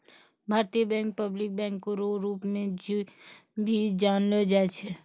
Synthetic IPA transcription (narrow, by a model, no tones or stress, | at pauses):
bʱaːɾt̪ijəbɛ̃ːŋk̚pəblɪk̚bɛ̃ːŋkːoɾoɾuːpmẽd͡ʒ | bʱid͡ʒaːnled͡ʒaːet͡ʃʰɛ